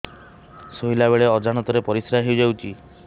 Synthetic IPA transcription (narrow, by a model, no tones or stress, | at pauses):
sujlabeɭeɔd͡ʒaɽ̃ɔt̪ɔɾepɔɾisɾaɦiwd͡ʒawt͡ʃʰi